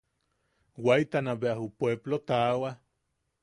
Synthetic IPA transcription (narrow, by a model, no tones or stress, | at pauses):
wajt̪anaβeahupweblot̪awa